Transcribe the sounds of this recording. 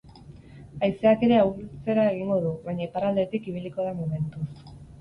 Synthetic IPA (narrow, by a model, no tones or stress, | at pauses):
ajse̞ake̞ɾe̞awɾt͡se̞ɾae̞ɣ̞iŋɡo̞ðuβajɲaipaɾald̪e̞t̪ikiβ̞iliko̞ð̞amume̞nt̪us